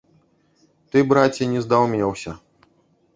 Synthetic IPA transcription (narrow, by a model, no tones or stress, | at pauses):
t̪ɨbɾat͡sʲinʲɛzd̪awmʲɛwsʲɐ